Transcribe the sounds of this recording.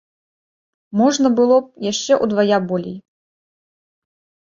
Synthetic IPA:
mɔʐnɐbɨlˠɔp̚jaʂt͡ʂɛʔud̪vajabɔlʲḛj

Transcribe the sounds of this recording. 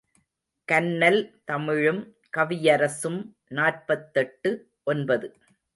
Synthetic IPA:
kɐnːɐlt̪ɐmɪɻɯm | kɐʋɪjɐɾɐsɯm | naːr̚pɐt̪ːɛʈːɯ | ʔɔnbɐðɯ

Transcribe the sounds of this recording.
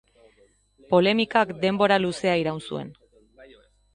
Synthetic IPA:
po̞le̞mikakd̪e̞mbo̞ɾaluse̞aiɾawnsue̞̰n

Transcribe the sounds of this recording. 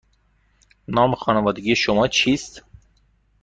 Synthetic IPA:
nɑːmexɑːnævɒːd̪eɡiːeʃomɒːt͡ʃʰiːst̪

